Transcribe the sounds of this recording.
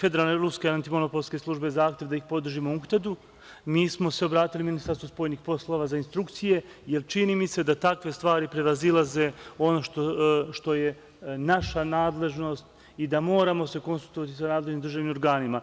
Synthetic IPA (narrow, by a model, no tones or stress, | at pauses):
fe̞d̪e̞ɾalˠne̞ɾuskeant̪imo̞no̞po̞lˠske̞slˠuʒbe̞zaːxt̪je̞ʋd̪aixpo̞d̪r̩ʒimouxt̪ad̪u | miːsmo̞se̞obɾaːt̪iliminist̪aɾst̪vospo̞ːjɲixpo̞slˠo̞ːʋazainst̪ɾuk̚t̪sije̞je̞lt͡ʃiniːmise̞d̪at̪akʋe̞st̪ʋaːɾipɾe̞ʋazilˠaze̞o̞no̞ʃt̪oʃt̪o̞je̞ | naʃanaːd̪le̞ʒno̞ːst̪ | id̪amo̞ːɾamo̞se̞konsulˠt̪oʋat̪isanaːd̪le̞ʒnimd̪ɾrʒaʋnimoɾɡaːnima